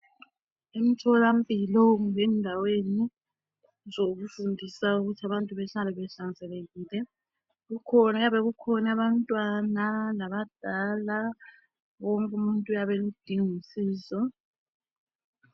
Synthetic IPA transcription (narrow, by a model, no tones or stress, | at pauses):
em̩tʰɔlam̩bʼilɔŋenndʱaweni | zoɣufundʱisauɣutʰaβantʼuβɛɬalɛβɛɬand͡zʱɛleɣiːlɛ | ɣukʰɔnaɣaβɛɣukʰɔnaβantʼwanalaβad̥ʱala | woŋkʼumuntʼujaβɛlud̥ʱiŋisiːzɔ